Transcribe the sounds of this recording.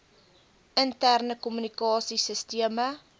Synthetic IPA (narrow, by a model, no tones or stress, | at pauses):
əntærnəkɔmynikɑːsisəstiəmə